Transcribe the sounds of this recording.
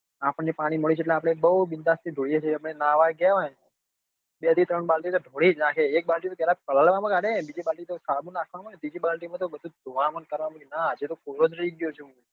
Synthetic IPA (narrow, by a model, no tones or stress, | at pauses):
apəɳepaɽ̃iməɭit͡ʃʰeʈ̬leapəɽ̃eːk̚bəwbind̪ast̪ʰid̪ʱoɽɭijet͡ʃʰeəpɽ̃enaʋaɡjaʋa | beət̪ʰit̪ɾəɳbalʈit̪oɖʱoɽid͡ʒnakʰeːk̚balʈimot̪jaɾakəlaɭʋamãkaɾebid͡ʒibalʈit̪osalmũnakʰʋamãned̪id͡ʒibalʈimãt̪obəd̪ʱũd̪ʱoʋamənkəɾʋamãkenaːd͡ʒet̪okoɾod͡ʒɾəiɡjot͡ʃʰeũ